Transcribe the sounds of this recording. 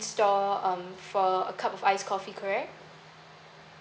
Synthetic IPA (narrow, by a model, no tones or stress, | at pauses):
nstɔʌ̃mfɔə̰kʰapɔfaɪskʰɔfikʰəɹiə